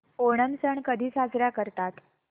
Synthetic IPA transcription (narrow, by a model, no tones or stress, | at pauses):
oɽ̃ənsəɳkəd̪ʱiːsad͡zɾjakəɾt̪at̪